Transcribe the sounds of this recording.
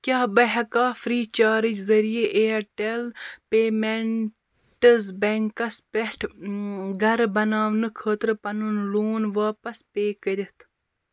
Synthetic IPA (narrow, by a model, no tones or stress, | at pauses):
kʲaːbɐɦɐkaːfɾiːt͡ʃaːɾid͡ʒzɐɾijeʔeɐʈelpeːmeɳ | ʈɐzbeŋkɐspeʈʰ | ɡɐɾbɐnaːʋnɨkʰəːt̪ɾpɐnunloːnʋaːpɐspeːkəɾʲit̪ʰ